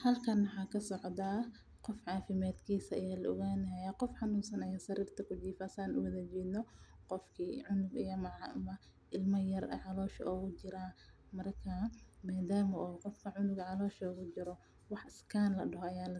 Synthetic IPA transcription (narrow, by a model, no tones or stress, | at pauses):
hɐlkʰɐnwɑħɑːkʰɐsɔʕd̪a | qɔfʕɑːfɪmaːd̪kʰiːsɐɐjaːlɐʔɔ̰ɣaːnɦajɐqɔfħɑnuːnsɐnɐjɐsɐɾiːrt̪ʰɐkʰʊt͡ʃiːfɐsaːnʊ̰wɐðɐd͡ʒiːd̪nɔqɔfkʰiːʕʊnʊɡɪjɐmɑʕɑɐmɐ | ʔɪlmɐjɐrɐ̰ʕɑlɔːʃɐ̰ʔɔɣʊt͡ʃɪɾa | mɐrkʰɐmaːd̪aːmɐɔːqɔfkʰɐʕʊnʊɡʕɑlɔːʃɔɔɣʊt͡ʃɪɾɔ | wɑħɪskʰaːnlɐɖɐɦɔɐjaːlɐ